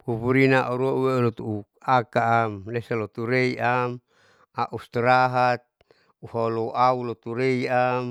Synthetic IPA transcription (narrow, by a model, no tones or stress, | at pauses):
puβuɾinaʔoɾuauwelot̪uu | akaamlesalot̪uɾeiam | aʔust̪ɾaɦat̪̚ | uhaloʔaulot̪uɾeiam